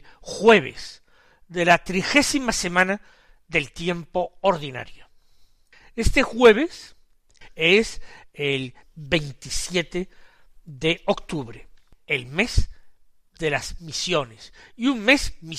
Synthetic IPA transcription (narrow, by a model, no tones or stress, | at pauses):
xwe̞β̞ḛs | ðe̞lat̪ɾixe̞simase̞mãna | ðe̞lt̪je̞mpo̞ːɾðina̰ɾjo | e̞st̪e̞xwe̞β̞e̞s | eselβe̞jnt̪isje̞t̪e | ðeokt̪uβɾḛelme̞z | ðelaz̥misjo̞nesiunme̞zmi